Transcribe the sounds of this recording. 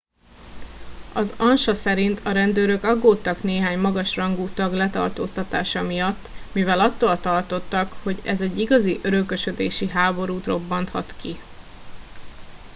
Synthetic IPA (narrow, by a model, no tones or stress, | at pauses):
ɒzɒnʃɒsɛɾint̪ʰɒɾɛnd̪øːɾø̞kɒɡːoːt̪ːɒkneːɦaːɲmɒɡɒʃrɒŋɡuːt̪ɒɡlɛt̪ɒ̰rt̪o̰ːst̪ɒt̪a̰ːʃɒmijɒt̪ːmivɛlɒt̪ːoːlt̪ɒrt̪o̞t̪ːɒkho̞ɟɛzɛɟːiɡɒziʔøɾøkø̞ʃø̞d̪eːʃiɦaːbo̞ɾuːt̪ro̞bːɒnt̪hɒ̰t̪ki